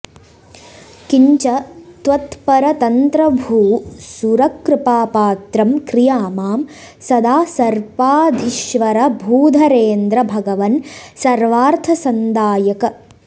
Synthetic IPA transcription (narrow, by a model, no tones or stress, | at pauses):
kiɲt͡ʃɐt̪ʋɐt̪pɐɾɐt̪ɐnt̪ɾɐbʱuːsuɾɐkɾɪpaːpaːt̪ɾɐmkɾijaːmaːm | sɐd̪aːsɐɾpaːd̪ʱiʃʋɐɾɐbʱuːd̪ʱɐɾeːnd̪ɾɐbʱɐɡɐʋɐnsɐɾʋaːɾt̪ʰɐsɐnd̪aːjɐkɐ